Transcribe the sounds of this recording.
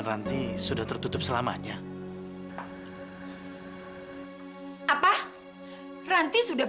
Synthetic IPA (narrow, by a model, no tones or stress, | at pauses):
nrant̪isudaht̪ərt̪ut̪ʊp̚səlama̰ɲa | ʔapa | rant̪isuda